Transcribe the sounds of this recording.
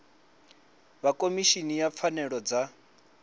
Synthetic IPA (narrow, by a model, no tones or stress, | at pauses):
βakʼomiʃinijap̪fʰanɛɺɔd͡za